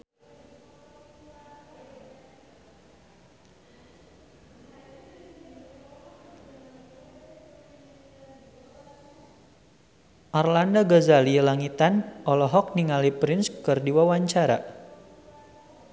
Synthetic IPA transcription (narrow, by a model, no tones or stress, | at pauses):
ʔarlandaɡɔzalilaŋit̪anʔɔlɔɦɔk̚niŋalipɾɪnskɨrdiwawaɲt͡ʃaɾa̰